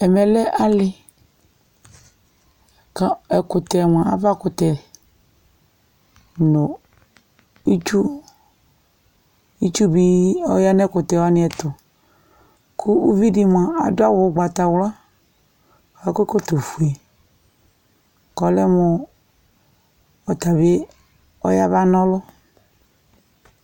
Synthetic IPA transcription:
ɛ˨mɛ˨lɛ˦ʔa˦lɪ˦˨ | ka˨˦ɛ˨kʊ˨t̪ɛ˨m˨ã˨a̰˨va˦kʊ˨t̪ɛ˨ | no˨ | i˦t͡ʃu˦ | i˦t͡ʃu˦bi˦ɔ̰˦ja˦nɛ˦kʊ˨t̪ɛ˨wa˦nɪ̃˦ɛ˨t̪ʊ˨ | kʰu˦ʔu˦vi˦di˨m˨ã˨a˨dʊ˦a˦wʊ˨˦ɡ͡ba˨t̪a˨wla˦˨ | a˨ko˦ko˦t̪o˨fu˨ɛ˨ | kɔ˨lɛ˦mo˨ | ɔ˨t̪a˨βe˦ | ɔ̰˦ja˦va˦nɔ̃˦lɔ˦

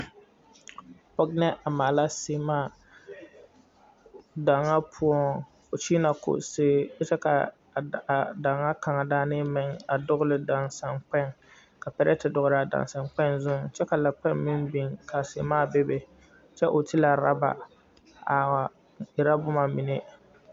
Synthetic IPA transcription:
pɔ˦ɡnɛ˦ʔa˨maː˨la˦sɪː˨maː˦˨ | da˨ŋa˦pʰʊ˦ɔ˦ | ʊ˨t͡ʃiː˦na˨kʊ̰˨ʔseː˦dɛ˦t͡ʃɛ˦ka˨ | da˨ŋːa˦ka˨ŋa˨daː˦nɪ˦mɪ˨ŋa˨dʊ˦ɣʊ˦lɪ˨da˨nsa˨nk͡pɛ˦˨ŋ | ka˨pɛ˦ɾɛ˦tɪ˨dʊ˨ɣʊ˦ɾɪ˨a˨da̰˨nsa˨ŋk͡pɛ˦nzʊ˦ŋt͡ʃɛ˦ka˨la˨k͡pɛ˦nmɪ˦nbi˨ŋkʰa˨se˨maː˦˨be˦be˨ | t͡ʃɛ˦ʔʊ˨ti˦la˨ɾa̰˦ba̰˨ | a˨wa˨ | ɪ˨ɾa˦bʊ˦ma˨mɪ˨ne˦

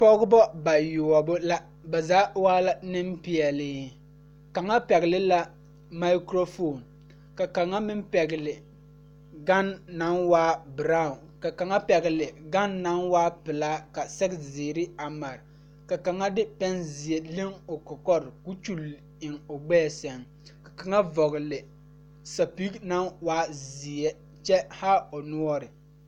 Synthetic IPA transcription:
pɔ˦ɡʊ˦bɔ˦ba˨jʊ˨ɔ˨bʊ˦la˦ | ba˨zaː˨˦waː˦la˦nɪ˦mpɪ˨ɛ˨lɪː˦ | ka˨ŋa˦pɛ˨ɣɪ˨lɪ˦la˦ | ma˦kɾo˦fo˦˨n | ka˨ka˨ŋa˦mɪ˦mpɛ˨ɡɪ˨lɪ˨ | ɡa˦nːa˨˦nwaː˦bɪ˨ɾa˦˨ʊ˨nka˨ka˨ŋa˦pɛ˨ɡɪ˨lɪ˨ɡa˦nːa˦nwaː˦pɪ˨la˦ka˨sɛ˦ɡzɪː˨ɾɪ˦a˨ma˨ɾ | ka˨ka˨ŋa˦dɪ˦pɛ˦nzɪ˨ɛ˦le˦ŋʊ˨kɔ˨kɔ˦ɾku˦t͡ʃu˦˨l | ɪ˨ŋʊ˨ɡ͡bɛː˦˨sɛ˨ŋ | ka˨ka˨ŋa˦vɔ˨ɣɪ˨lɪ˨ | sa˨pi˦kna˦nwaː˦zɪ˨ɛ˦ | t͡ʃɛ˦ha˦ʊ˨nʊ˦ɔ˦ɾɪ˨

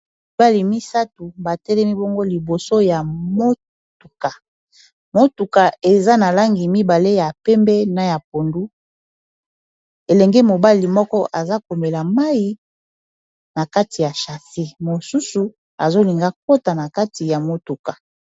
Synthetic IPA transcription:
mi˨ba˦li˨mi˦sa˦tu˨ba˨tɛ˦lɛ˦mi˦bo˦ŋɡo˦li˨bo˨so˦ja˨mo˦ | tu˨ka˨ | mo˦tu˨ka˨e˨za˦na˨la˦ŋɡi˨mi˦ba˨le˦ja˨pɛ˦mbɛ˦na˦ja˨p̚o˨ndu˦ | e˨lɛ˨ŋɡɛ˦mo˨ba˦li˨mɔ˦kɔ˦ʔa˨za˦ko˨me˨la˨ma˦ji˦ | na˨ka˦ti˨ja˨ʃa˨se˦mo˨su˦su˨ | a˨zo˦li˨ŋɡa˦ko˦ta˨na˨ka˦ti˨ja˨mo˦tu˨ka˨

